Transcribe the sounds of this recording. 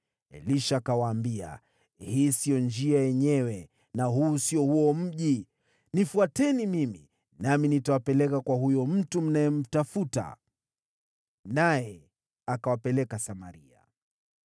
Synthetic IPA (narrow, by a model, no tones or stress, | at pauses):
ɛ̰liʃaːkawaːmbia̰ | hiːsiɔnd͡ʒiajɛɲɛwɛ | naɦuːsiɔhuɔm̩ʄi | nifuatɛnimimḭ | naminitawapɛlɛkakwaɦujɔm̩tum̩najɛm̩tafuta̰ | najɛ | akawapɛlɛkasamaɾia̰